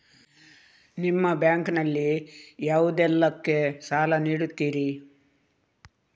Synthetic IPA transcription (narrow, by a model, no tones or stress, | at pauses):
nimːɐbjaːŋknɐlːijaːʋud̪ɛlːɐkːe̞saːlɐniːɽut̪ːiːɾi